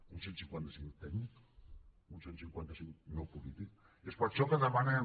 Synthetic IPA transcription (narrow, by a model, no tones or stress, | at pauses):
unsensiŋkwant̪asimilt̪ɛɡnik | unsensiŋkwant̪asiŋknowpulit̪ik | espɔt̪t͡ʃɔkaðamane